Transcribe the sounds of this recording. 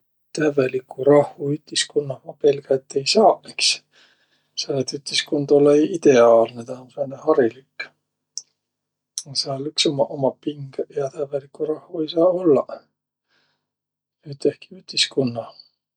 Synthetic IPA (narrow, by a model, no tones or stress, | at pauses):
t̪ævelikːuɾɑhvuyt̪ːiskunːɑvɑpelɡ̥ɑet̪ːe̞jsɑːeks | sɑet̪yt̪ːiskund̪olːeid̪̥e̞ɑːlnet̪ɑonsenehɑɾilikːˑ | sɑlyksomɑʔomɑpiŋɡ̥jɑt̪ævelikːurɑhvue̞jsɑːo̞lːɑ | yt̪ːehki̥yt̪ːiskunːɑ